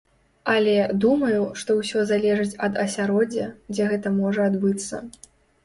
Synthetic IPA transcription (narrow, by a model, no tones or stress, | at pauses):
ɐlʲɛd̪umɐjuʂt̪ɔwsʲɔzalʲɛʐɨt͡sʲɐd̪ɐsʲaɾɔd͡zʲɐd͡zʲɛɣɛt̪ɐmɔʐɐad̪bɨt̪sːɐ̰